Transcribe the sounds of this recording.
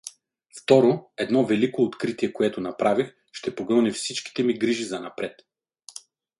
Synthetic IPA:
ft̪ɔɾoɛd̪nɔvɛlikoːt̪kɾit̪iɛkoɛt̪onɐpɾavix | ʃt̪ɛpoɡɤnifsit͡ʃki̥t̪ɛmiɡɾiʒizɐnɐpɾɛt̪

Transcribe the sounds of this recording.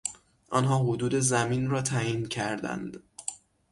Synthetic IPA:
ʔɒːnɦɒːɦod̪uːd̪e̞zæmiːnrɒːt̪ʰæiːncʰæɾd̪æ̰nd̪̥

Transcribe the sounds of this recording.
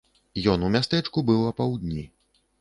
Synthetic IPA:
jɔnumʲast̪ɛt͡ʂkubɨwɐpawd̪ʲnʲi

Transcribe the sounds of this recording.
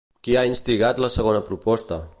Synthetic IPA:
kiainst̪iɣat̪ləsəɣ̞onəpɾupɔst̪ə

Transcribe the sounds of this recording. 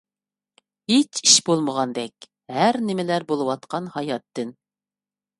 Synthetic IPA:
het͡ʃiʃbolˠməʁɑnd̪ɛkʲ | hæɾnɪmɪlæɾbolˠɨwɑt̪̚qʰɑnhɑjɑt̪ːɨn

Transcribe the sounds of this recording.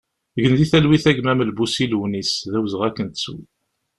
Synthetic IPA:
ɡənd̪iθælwiθæɡmæməlbusiluwnisðæwzəʁækːənt̪ə̥swi

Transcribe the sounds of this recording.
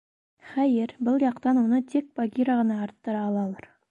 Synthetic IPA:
χɑjeɾbʊlˠjɑqt̪ɑnwonət̪ʰek̚b̥aɡʲiɾɑʁɑnɑːɾt̪ːəɾɑːlˠɑlˠɑɾ

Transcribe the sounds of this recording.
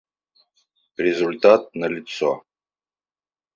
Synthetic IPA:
rʲɪzulʲt̪at̪̚nəlʲɪt̪so̰

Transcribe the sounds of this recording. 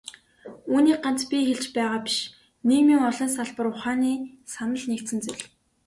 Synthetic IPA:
uːniːk̚ɢan̥t͡spʲixeɮt͡ɕpæːʁaːpi̥ʃ | neɣmiːŋɔɮɞ̆ns̬aɮpə̆ɾʊχaːniː | sanə̆ɮnekt̪ɘ̆nt͡suɮ

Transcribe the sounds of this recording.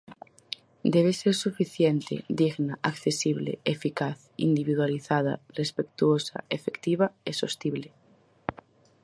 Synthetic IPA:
d̪eβ̞eseɾsufiθjent̪ḛd̪iɣnaʔakθesiβlḛefikaθ | ḭnd̪iβiðwaliθaða̰respekt̪uosa̰efekt̪iβaesost̪iβle

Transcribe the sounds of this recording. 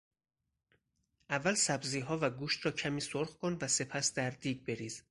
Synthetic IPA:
ʔævːælsæbziːɦɒːvæɡuːʃt̪ɾɒːcʰæmiːsoɾχkʰonvæse̞pʰæsd̪æɾd̪iːɡbe̞ɾiːz

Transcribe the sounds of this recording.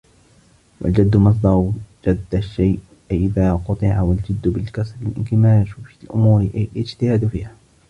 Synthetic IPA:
wa̰ld͡ʒad̪ːʊmɑs̬ˤd̪ɑɾˤd͡ʒad̪ːaʃːajʔ | ʔɪðaːqʊt̪ˤɨʕawald͡ʒad̪ːbɪlkasɾɪlʔɪ̰nkɪmaːʃflʔʊ̰muːɾlɪd͡ʒt̪ɪhaːd̪fiːha

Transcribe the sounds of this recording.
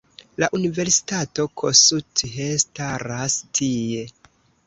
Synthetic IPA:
laʔunive̞ɾsi̥tato̞kʰosutestaɾastʰie̞

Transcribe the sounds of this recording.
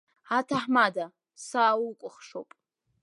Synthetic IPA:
atʰaħmada | sawkʷʼʊχʂo̰pʼ

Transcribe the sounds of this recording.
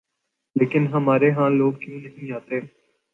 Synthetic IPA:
leːkɪnɦəmaːɾeɦãːloːɡ̚kĩːnəɦĩːaːt̪eː

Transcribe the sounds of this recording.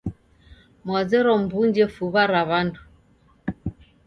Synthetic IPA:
mwazɛɾɔm̩buɲd͡ʒɛfuβaɾaβandu

